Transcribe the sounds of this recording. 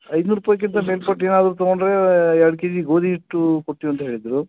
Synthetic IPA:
ɐjd̪nuːɾupɐːjɐk̬ːint̪ɐme̞ːlpɐʈːe̞ːnaːd̪ɾut̪ɐɡoɳɖɾe̞aːɽkid͡ʒiɡo̞ːd̪ʱiɦiʈːukoʈːijuɐnt̪ɐɦe̞ːɭid̪ɾu

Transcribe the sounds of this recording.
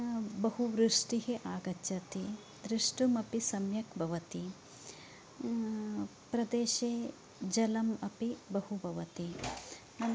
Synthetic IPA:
bɐɦuʋɾuʂʈiɦeʔaːɡɐt͡ʃːɐt̪i | d̪ɾiʂʈumɐpisɐmjɐkbʱɐʋɐt̪i | pɾɐd̪eːʃeː | d͡ʒɐlɐmɐpibɐhubʱɐʋɐt̪i

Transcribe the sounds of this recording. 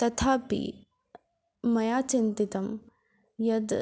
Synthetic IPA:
t̪ɐt̪ʰaːpḭ | mɐjaːt͡ʃint̪it̪ɐm | jɐd̪

